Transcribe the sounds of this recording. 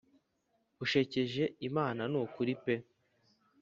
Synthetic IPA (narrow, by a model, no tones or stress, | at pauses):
uʃe̞ce̞ʒe̞imaːnanukuɾipe̞